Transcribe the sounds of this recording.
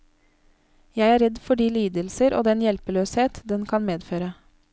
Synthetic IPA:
jæɪæːɾɛd̪fɔɖiːliːd̪əlsəɾo̰ːd̪ɛnjɛlpəløːsheːt̪d̪ɛnkʰɑnmeːd̪føːɾə

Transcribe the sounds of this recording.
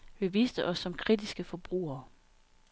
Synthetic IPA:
ʋe̝ʋiːsd̥əʔɒ̽sːɒ̽mkʰʁid̥isɡ̥əfɒ̽b̥ʁṵːɐ

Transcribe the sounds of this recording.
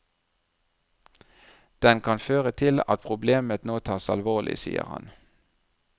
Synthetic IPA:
d̪̥ɛnkʰɑnføːʁət̪ʰɪlɑ̰t̪̚pʰʁʊbleːmət̪noːt̪ʰɑːsɑ̰lʋoːlʔɪ̰sḭːə̰ʁhɑ̰n

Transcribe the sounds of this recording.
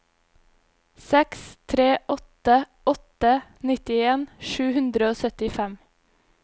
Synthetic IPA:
sɛkst̪ʰɾeːʔɔt̪ə | ɔt̪ənɪt̪ɪeːnʃʉːhʉnd̪ɾəoːsœt̪ɪfɛm

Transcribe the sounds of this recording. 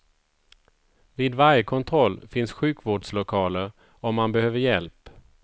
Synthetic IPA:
viːd̪vaɾjəkʰɔnt̪ʰɾɔlːfɪnsɧʉ̟ːkvoːɖslʊkʰɑːləɾ | ɔmːanbɛhøːvəɾjɛlp

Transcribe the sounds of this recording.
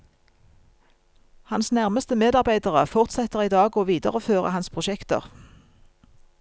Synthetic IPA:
hɑnsnæʁməst̪əmeːd̪ɑʁbæɪd̪əʁəfɔʁt̪sɛt̪əʁiːd̪ɑːɡoːʋiːd̪ə̰ʁəføːʁə̰hɑnspʰʁʊʃɛkt̪ə̰ʁ

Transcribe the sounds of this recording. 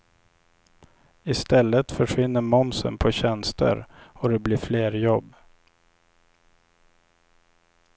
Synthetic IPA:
ɪst̪ɛlːət̪fœʂvɪnːəɾmɔmsə̰npʰɔɕɛnst̪ə̰ɾɔd̪ɛblɪːfleːɾjɔbː

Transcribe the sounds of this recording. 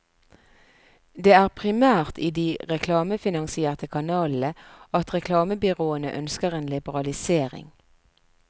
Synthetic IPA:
d̪eːæːʁpʰʁɪmæːʁt̪ʰiːd̪iːʁɛkʰlɑːməfɪnɑŋsɪeːʁt̪əkʰɑnɑːl̩əɑt̪ʁɛkʰlɑːməbʏʁoːənə̰ʔœnskəʁeːnlɪbəʁɑlɪseːʁɪ̰ŋ

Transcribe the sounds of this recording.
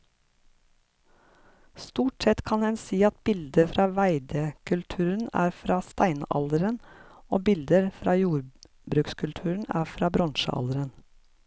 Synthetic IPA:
st̪uːʈsɛt̪kʰɑnhɛnsiːɑt̪̚bɪld̪əfɾɑːʋæɪd̪əkʰʉlt̪ʰʉːɾən̩æ̰ːɾfɾɑːst̪æɪnʔɑ̰ld̪əɾənoːbɪld̪əɾfɾɑːjuːɾ | bɾʉːkskʰʉlt̪ʰʉːɾəɳ̩æ̰ːfɾɑːbɾʔɑnʃə̰ʔɑ̰ld̪əɾən

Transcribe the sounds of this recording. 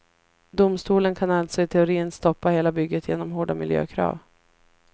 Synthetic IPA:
d̪ʊmst̪uːlənkʰanalt̪sɔɪt̪ʰɛʊɾiːənst̪ɔpːaheːlabʏɡːət̪jeːnɔmɦoːɖamɪljø̰ːkʰɾɑ̰ːv

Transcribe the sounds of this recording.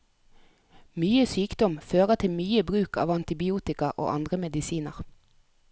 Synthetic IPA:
myːəsyːkd̪ɔmføːʁət̪ʰɪmyːəbʁʉːkʰɑ̰ːʋɑnt̪ɪbɪuːt̪ɪkɑʔo̰ːʔɑnd̪ʁəmɛd̪ɪsiːnəʁ

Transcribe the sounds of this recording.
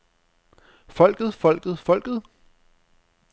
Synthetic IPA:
fɒ̽l̰ɡ̥ð̩ˠfɒ̽l̰ɡ̥ð̞̩ˠfɒ̽l̰ɡ̥ðˠ

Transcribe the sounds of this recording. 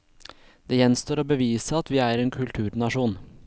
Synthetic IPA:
d̪̥eːjɛnst̪oːɾoːbəʋiːsəɑt̪ʋiːæːɾeːnkʰʉlt̪ʰʉːɾnɑʂuːn

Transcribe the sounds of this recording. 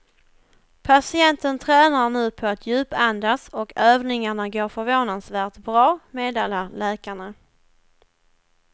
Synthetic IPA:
pʰasɪɛnt̪ənt̪ʰɾɛːnaɳʉ̟ːpʰɔat̪ʰjʉ̟ːpand̪asɔkøːvnɪŋaɳaɡoːɾfœɾvoːnansvæːt̪bɾɑːmeːd̪eːlaɾlɛːkaɳa

